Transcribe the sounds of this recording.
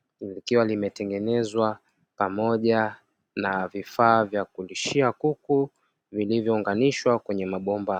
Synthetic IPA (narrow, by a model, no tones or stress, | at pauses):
likiwalimɛtɛŋɡɛnɛzwa | pamɔʄa | navifaːvjakuliʃiakuku | vilivjɔuŋɡaniʃwakwɛɲɛmaɓɔmba